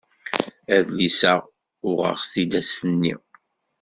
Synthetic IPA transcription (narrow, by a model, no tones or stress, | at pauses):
æðlisə | ʊʁə̰ʁθid̪æsənːḭ